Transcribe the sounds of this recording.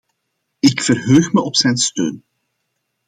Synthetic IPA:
ɪkfərɦøːxməʔɔpsɛjnstø̰ːn

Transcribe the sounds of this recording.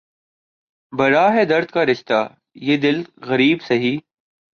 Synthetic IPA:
bɐɾaːɦɛːd̪ɐɾd̪̚kaːɾɪʃt̪aː | jeːd̪ɪlɣəɾiːbsəɦiː

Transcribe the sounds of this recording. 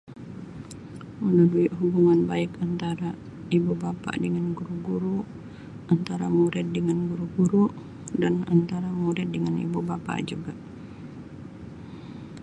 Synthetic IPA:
unahduiʔɦubuŋanbaɪkant̪aɾa | ibubapa̰ʔdəŋanɡuɾuɡuɾu | ʔant̪aɾamuɾɪt̪̚dəŋanɡuɾuɡuɾu | dana̰nt̪aɾamuɾɪt̪̚dəŋanḭbubapa̰ʔd͡ʒuɡaʔ

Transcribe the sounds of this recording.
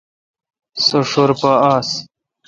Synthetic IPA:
soʂoɾpaaːs

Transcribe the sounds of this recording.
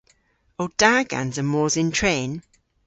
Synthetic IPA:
oʊd̥aːɡã̰nzəmɔːzɪ̃ntʰɹ̥ẽːn

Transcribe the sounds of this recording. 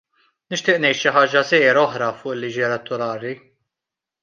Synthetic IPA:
nɪʃt̪ɪːʔnɛjt̪ʃɪħɐːd͡ʒɐsɛːjɾɔħɾɐfʊːʔɪlːiːd͡ʒiɛlɛt̪ːʊɾɐːɾi

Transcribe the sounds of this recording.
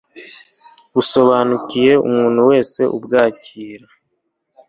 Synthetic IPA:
βuso̞βaːnucije̞ṵmuːnhuwe̞ːse̞ʔubɡaːciːɾa

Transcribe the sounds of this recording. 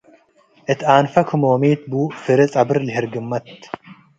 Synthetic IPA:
ʔɨt̪aːnfɐkʰɨmoːmiːt̪̚buːfɨɾɐt͡sʼɐbɨɾlɪhɪɾɡɨmːɐt̪

